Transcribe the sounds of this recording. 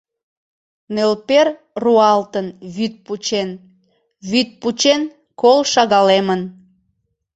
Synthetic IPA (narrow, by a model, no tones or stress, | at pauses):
nelper | ruɑlt̪ənβyt̪̚put͡ɕen | βyt̪̚put͡ɕen | kolʃɑɣɑlemən